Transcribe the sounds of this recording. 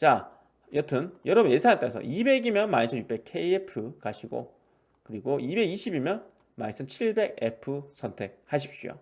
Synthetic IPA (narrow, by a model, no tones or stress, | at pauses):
t͡ɕa | jʌtʰɯnjʌɾʌbunjesʰaŋant͈aesʰʌ̰ʔibe̞ɡimjʌnmaɲisʰʌnjuk̚pe̞kʰeiepʰɯkaɕʰiɡo̰ | kɯɾiɡoibe̞ɡiɕʰibimjʌn | maɲisʰʌnt͡ɕʰiɭbe̞ɡe̞pʰɯsʰʌntʰe̞k̚haɕ̬ʰip̚ɕ͈io̰